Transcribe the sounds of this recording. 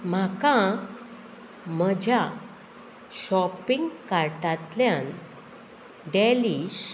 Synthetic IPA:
m̤akã | m̤əd͡ʑʱja | ɕɔpĩŋɡkaɾʈat̪ljãn | ɖɛliɕ

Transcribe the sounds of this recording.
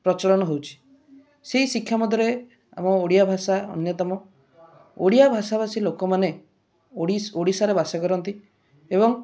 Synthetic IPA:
pɾɔt͡ʃɔɭɔñɔɦewt͡ʃʰi̥ | seɦisikʰjamɔd̪ʱɔɾe | a̰mɔoɽijabʱasaɔ̰njɔt̪ɔmɔ | oɽijabʱasabasilokɔmane | ioɽisaɾebasɔkɔɾɔnt̪i | ebɔŋ

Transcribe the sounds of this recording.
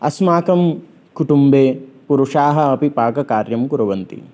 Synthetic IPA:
ɐsmaːkɐm | kuʈumbeːpuɾuʂaːɦɐɐpipaːkɐkaːɾjɐmkuɾɐʋɐnt̪ḭ

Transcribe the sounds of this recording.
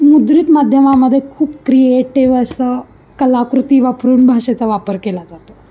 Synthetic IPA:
mud̪ɾiːt̪mad̪ʱjəmaməd̪ʱːjekʰuːpkɾieʈiʋəsa | kəlakɾut̪iʋapɾuːɳbʱaʂet͡saʋapəɾkelad͡zat̪o

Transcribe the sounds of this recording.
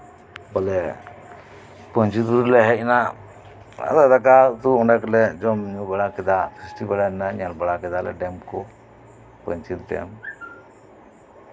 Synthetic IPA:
bɔlɛ | pɔɲt͡ʃid̪uulɛɦɛc̚na | a̰d̪ad̪akat̪uɔnaklɛd͡ʒɔmɲubɛɽakɛd̪asʰɾisʈibɛɽanɛnaɲalbaɽakɛd̪alɛ̰ɖɛmkɔ | pɔɲt͡ʃit̪t̪ɛ̰a̰m

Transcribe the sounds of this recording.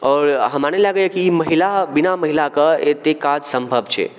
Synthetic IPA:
ɔːɾɦəmanelaɡəjəkiːməɦilabinaməɦilakəet̪ekad͡ʒsəmbʱəbt͡ʃʰɛ̰

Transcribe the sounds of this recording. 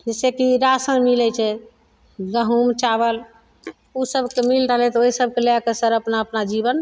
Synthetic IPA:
d͡ʒesekiɾasə̃nmilɛt͡ʃʰɛ | ɡəɦumt͡ʃaβəl | usəbʱkemilɾəɦlɛt̪oisəbʱkeleakesəɾəpnaəpnad͡ʒibən

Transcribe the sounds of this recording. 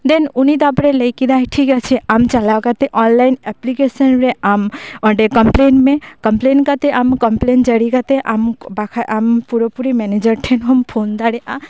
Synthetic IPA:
d̪enunid̪apɾelejkid̪aɦiʈʰikat͡ʃʰeʔamt͡ʃalawkat̪eʔɔnlajineplikesənɾeʔamɔ̃ɖekɐmplenmẽkɐmplenkat̪eʔamkɐmplend͡ʒəɽikat̪eʔambakʰaʔampuɾəpuɾimɛned͡ʒəɾʈʰenɦompʰond̪aɽeʔa

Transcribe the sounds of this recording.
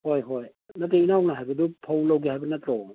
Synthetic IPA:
hojɦoj | nɐteinawnaɦajbɐdupʰawlɐwɡihajbɐnatɾo

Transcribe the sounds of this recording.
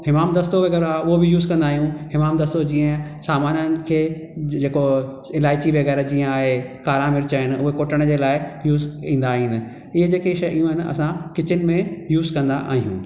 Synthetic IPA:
hɪmaːmd̪ɐst̪oʋɐɣɛːɾaʊɦobɪjuːzkɐ̃nd̪aːɦijũɦɪmaːmd̪ɐst̪od͡ʑĩːə̃saːmaːnənɪ̆kʰeː | d͡ʑeːko | ɪlaːɪt͡ɕiʋɐɣɛːɾd͡ʑĩːə̃aːɦekaːɾãmɪɾt͡ɕaɪnɪ̆ʊɦekoːʈəɽ̃d͡ʑeːlaːɪjuːzĩːnd̪aːɦinɪ̆ | ɪɦəd͡ʑeːkeʃɐʔijũɦɪnɪ̆ɐ̰sãkɪt͡ɕɪnɪ̆mẽjuːzkɐ̃nd̪aʔa̰ːɦijũː

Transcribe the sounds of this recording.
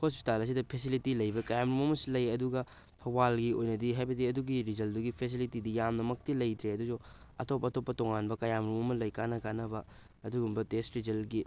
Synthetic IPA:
hospi̥talɐs̬idɐpʰesilitilɐjbɐkɐjamɾumɐmɐsilɐjɐduɡɐ | tʰɐbalɡiojnɐdiɦajbɐdiɐduɡiɾid͡ʒɐlduɡipʰes̬ilitidijamnɐmɐk̚tilɐjt̪ɾeɐduzu | ɐ̰topːɐːtopːɐtoŋanbɐkɐjamɾumɐmɐlɐjkanɐkanɐbɐ | ɐduɡumbɐtestɾid͡ʒɐlɡi

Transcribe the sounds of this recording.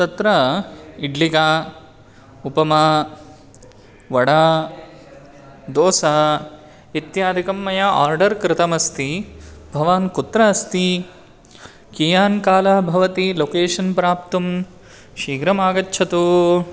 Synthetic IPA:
t̪ɐt̪ɾɐiɖlikaː | upɐma | ʋɐɽaː | d̪oːsɐ | it̪jaːd̪ʱikɐmːɐjɐa̰ːɾɖɐɾkɾɪt̪ɐmɐst̪ibʱɐʋaːnkut̪ɾɐɐst̪i | kijaːnkaːlɐbʱɐʋɐt̪iloːkeːʂɐnpɾaːp̚t̪um | ʃiːɡɾɐmaːɡɐtːʃʰɐt̪u

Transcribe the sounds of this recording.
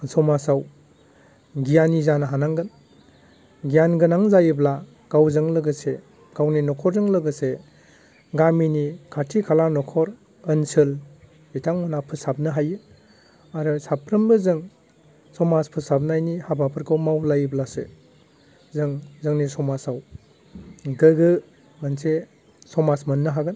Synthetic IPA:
sɔmasaw | ɡijanizanɦanaŋɡɯn | ɡijanɡɯnaŋzajɯbla | ɡ̥awzɯŋlɯɡɯse | ɡ̥awninɔkʰɔɾzɯŋlɯɡɯse | ɡaminikʰatʰikʰalanɔkʰɔɾ | ɯnsɯl | itʰaŋmɯnapʰɯsab̚nɯɦajɯ | aɾɯsapʰɾɯmbɯzɯŋ | sɔmaspʰɯsap̚najnihabapʰɯɾkʰɯwmawlajɯblasḛ | zɯŋzɯŋnisɔmasaw | ɡɯɡɯ | ɡɯnse | sɔmasmɯnːɯɦaɡɯn

